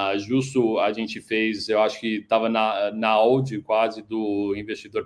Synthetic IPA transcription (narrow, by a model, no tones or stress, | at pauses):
ʒust̪ʊaʒẽnt͡ʃɪfejzewaʃʊ̥kɪt̪avɐnɐnɐawd͡ʒɪkwazɪd̪ʊĩvest͡ʃid̪oɾ